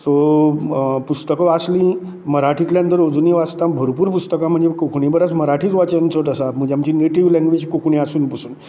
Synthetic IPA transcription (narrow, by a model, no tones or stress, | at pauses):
t̪o | pust̪əkɔaslĩ | məɾaʈʰik̪ljãənt̪əɾod͡zuniʋast̪abʱəɾpuːɾpust̪əkam̤əɳd͡zekokʰuɳibəɾat͡sməɾaʈʰiːt͡sʋat͡ɕant͡səʈəsam̤əd͡ʑamt͡ɕineʈiʋlɛ̃ŋɡʋed͡ʑkokʰuɳiasuːnpusuːn